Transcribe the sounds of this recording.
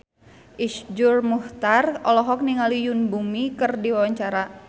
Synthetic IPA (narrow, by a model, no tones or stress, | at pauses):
ʔisd͡ʒurmuht̪arɔlɔɦɔk̚niŋalijunbumikɨrdiwawaɲt͡ʃaɾa